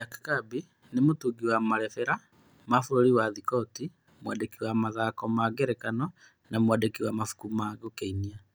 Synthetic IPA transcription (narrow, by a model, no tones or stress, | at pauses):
jakḁkabi | nemotuɡiwamaɾɛfɛɾa | mafoɾoɾiwaðikɔti | mwadekiwamaðakɔmaɡeɾɛkanɔ | namwadekiwamafu̥kumaɣokeinia